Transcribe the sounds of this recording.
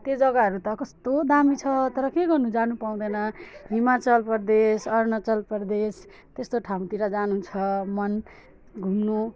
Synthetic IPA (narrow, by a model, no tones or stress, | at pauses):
t̪jed͡zʌɡaʌɾut̪ʌkʌst̪od̪amit͡sʰʌt̪ʌɾʌkeɡʌrnud͡zanupaw̃d̪ʌnʌɦimat͡sʌlpʌrd̪esʌrnʌt͡sʌlpʌrd̪es | t̪est̪oʈʰaw̃t̪iɾad͡zanut͡sʰʌmʌn | ɡʱumnu